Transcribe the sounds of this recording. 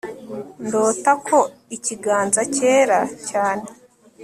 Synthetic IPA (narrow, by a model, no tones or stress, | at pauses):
ndoːtakʰo̞iciɡaːnzace̞ːɾacaːne